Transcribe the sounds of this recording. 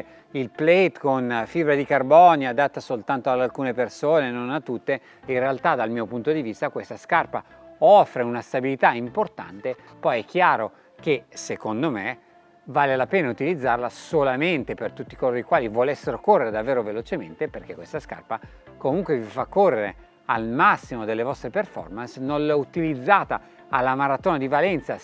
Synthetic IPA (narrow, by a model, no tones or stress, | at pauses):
ilplejt̪konfibɾad̪ikarbɔːnjad̪at̪ːasolt̪ant̪oad̪alkuːnepersoːnenonat̪ːut̪ːe | inrealt̪ad̪almiopunt̪od̪ivist̪akwest̪askarpaɔfːɾeunast̪abilit̪aimport̪a̰nt̪epɔjɛk̟ːjaːɾo | kesekond̪ome | vaːlelapeːnaut̪ilid̪zːarlasolament̪epert̪ut̪ːikoloɾikwaːlivolesːeɾokorːeɾed̪avːeːɾovelot͡ʃement̪eperk̟ekwest̪aska̰rpa | komuŋkwevifakːorːeɾe | almasːimod̪elːevɔst̪ɾeperfɔ̰rmansnollut̪ilid̪zːaːt̪a | alːamaɾat̪oːnad̪ivalɛnt̪sa